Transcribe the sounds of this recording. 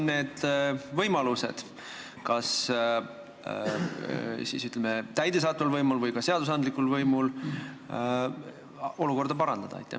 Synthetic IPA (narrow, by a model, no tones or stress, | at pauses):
nne̞ːd̪̥vɤjmɑluse̞̰d̪̥ | kɑs | sḭːsyt̪ːˑlemet̪æjd̪es̬ɑːt̪ːˑvɑlvɤjmulvɤjkɑse̞ɑd̪us̬ɑnd̪likːˑulvɤjmul | o̞luko̞rd̪ɑpɑɾɑnd̪̥ɑd̪̥ɑɑ̰jt̪ːˑḛ